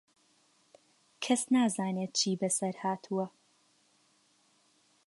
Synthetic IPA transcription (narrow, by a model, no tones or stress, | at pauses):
kʰɐsnaːzaːneːt̪̚t͡ʃʰiːbɐsɐɾhaːt̪ʰuɐ